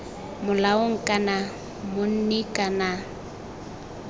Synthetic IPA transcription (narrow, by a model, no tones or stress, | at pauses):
mʊlaoŋ̩kʼana | mʊn̩nɪkʼana